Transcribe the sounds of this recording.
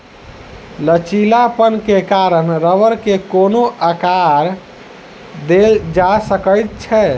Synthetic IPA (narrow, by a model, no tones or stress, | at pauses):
lət͡ʃilapənkekaɾənɾəʋəɾkekonoʔakaɾ | d̪eld͡ʒasəkəjt̪̚t͡ʃʰɛ